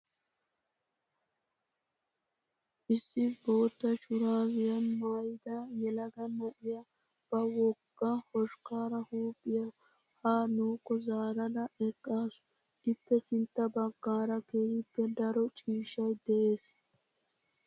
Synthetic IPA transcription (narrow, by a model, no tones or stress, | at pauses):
ʔɪsːɪbo̞ːt̪ːɐt͡ʃʊɾaːwɪjɐnmaːjd̪ɐjɛlɐɡɐnːɐʔɪjɐ | b̥ɐwɔɡːɐhɔʃkaːɾɐhuːpʼːɪjɐ | haːnuːkːɔzaːɾɐd̪ɐɛkʼːaːs | ɪpːɛsɪnt̪ːɐbɐɡːaːɾɐkeːjɪpːɛd̪ɐɾɔt͡ʃʼiːʃɐjd̪ɛʔeːs